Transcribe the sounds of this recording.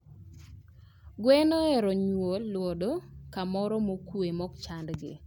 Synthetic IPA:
ɡwɛnɔɛɾɔɲwolːwodokamɔɾɔmokwemɔkt͡ʃandɡɪ̰

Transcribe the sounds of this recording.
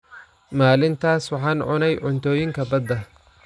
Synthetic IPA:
maːlɪnt̪ʰaːswɑħɑːnʕʊnɛjʕʊnt̪ʰɔːjɪŋkʰɐbɐd̪ɐ

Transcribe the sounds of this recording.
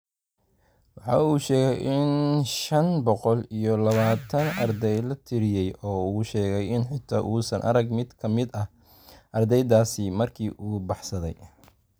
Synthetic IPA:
wɑħɑ̰ːuːʃɛːɣɛjʔɪnʃɐnbɔqɔlijɔlɐβaːt̪ʰɐnɐ̰rd̪ɛjlɐt̪ʰɪɾɪjɛjʔɔːuːʃɛːɣɛjɪnħɪt̪ʰaːʔuːsɐnʔɐ̰ɾɐɡmɪd̪kʰɐmɪd̪ɐ | ʔɐrd̪ɛjðaːsɪmɐrkʰiːʔuːbɑħsɐðɛj

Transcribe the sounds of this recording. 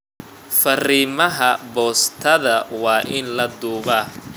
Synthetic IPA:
fɐriːmɐɦɐbɔːst̪ʰɐðɐwɑːʔɪnlɐd̪uːɣɐː

